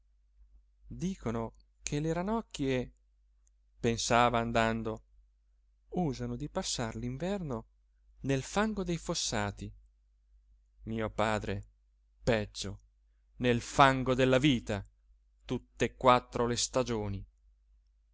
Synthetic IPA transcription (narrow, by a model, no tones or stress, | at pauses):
d̪iːkono | kʰeleɾanɔkːje | pensaːvaːnd̪and̪o | uːzanod̪ipasːarliɱvɛrno | nelfaŋɡod̪ejfosːaːt̪i | miːopaːd̪ɾe | pɛd͡ʒːo | nelfaŋɡod̪elːaviːt̪a | t̪ut̪ːeeːkːwat̪ːɾolest̪ad͡ʒoːni